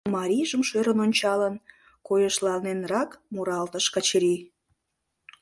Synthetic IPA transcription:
mɑɾʲiʒəmʃøɾənonʲt͡ɕɑlən | kojəʃlɑlnenrɑkmuɾɑlt̪əʃkɑt͡ɕəɾi

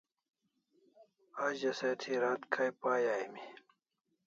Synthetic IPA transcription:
aʑɐset̪ʰiɾaːt̪kʰajpaːjaːimi

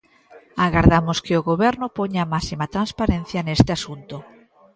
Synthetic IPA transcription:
aɣaɾðamoskeoɣoβ̞ɛɾnopoɲamasimat̪ɾanspaɾẽn̟θjanest̪easunt̪o

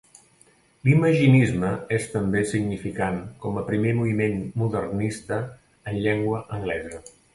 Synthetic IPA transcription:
liməʒinizməest̪əmbesiɡnifikaŋkɔməpɾimemuimenmuðərnist̪əː | nʎɛŋɡwəʔəŋɡlɛzə

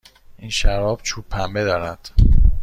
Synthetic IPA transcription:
ʔiːnʃæɾɒːb̥̚t͡ʃʰupʰːæmbed̪ɒːɾæd̪̥

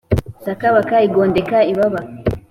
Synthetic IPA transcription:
sakaβakaiɡondekaiβaβa

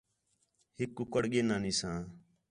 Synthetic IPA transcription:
hɪkːukəɽɠeːnaːniːsãː

